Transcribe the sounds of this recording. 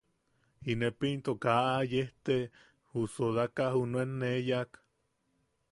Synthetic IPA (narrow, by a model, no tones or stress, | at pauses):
inepint̪okaʔajeht̪e | husoðakahunuenːejak